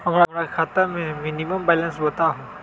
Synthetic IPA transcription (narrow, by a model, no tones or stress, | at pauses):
ɦɐmɾamɾakʰaːt̪amẽminiməmbɛlənsbɐt̪aɦũ